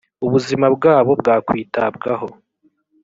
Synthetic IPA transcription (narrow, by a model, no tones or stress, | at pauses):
uβuzimabɡaːβo̞bɡaːkwiːtab̚ɡaɦo̞